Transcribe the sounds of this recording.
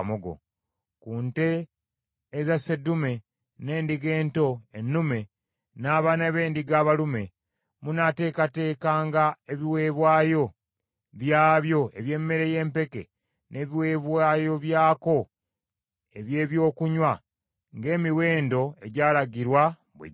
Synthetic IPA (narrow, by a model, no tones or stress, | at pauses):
moɡo̰ | kuːnte̞ː | zasedume̞ | ne̞ːndiɡe̞ːnto̞e̞nːume̞ | naːβanaβe̞ːndiɡaːβalume̞ | munate̞ːkate̞ːkaːŋɡae̞βiwe̞ːβwaːjo̞ | βjaːβjo̞e̞βje̞ːmme̞ɾe̞je̞ːmpe̞ke̞̰ | nʔe̞βiwe̞ːβwaːjo̞βjaːko̞ | e̞βje̞ːβjo̞ːkuɲwa | ŋɡe̞ːmiweːndo̞e̞ɟaːlaɡiɾwa | βwḛ